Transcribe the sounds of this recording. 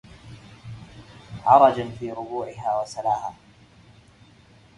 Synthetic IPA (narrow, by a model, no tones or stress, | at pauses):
ʕɑɾˤɑd͡ʒafiːɾʊbuːʕɪɦaːwasalaːhaː